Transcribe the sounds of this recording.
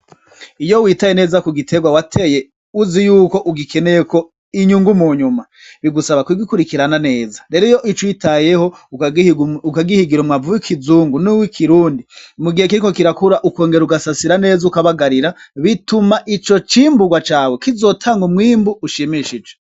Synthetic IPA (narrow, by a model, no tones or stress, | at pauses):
ijowiːtaje̞ne̞ːzakuɡitʰe̞ɡwawatʰe̞je | uzijuːko̞ʔuɡikʰe̞nejeko̞ | iɲuŋɡumuɲuma | βiɡusaβakwiɡikuɾikiɾanane̞ːzḁɾe̞ɾojo̞ʔit͡ʃwitaje̞ho̞ | ukaɡihiɡiɾumŋavuwikʰizuːŋɡunuwikʰiɾuːndimuɡihekiɾiko̞kiɾakuɾaʔuko̞ːŋɡe̞ɾuɡasasiɾane̞ːzaukaβaɡaɾiɾaβitumaʔit͡ʃo̞t͡ʃiːmbuɡwat͡ʃaːwekizoːtʰaːŋɡumŋiːmbuʔːʃimiʃid͡ʒe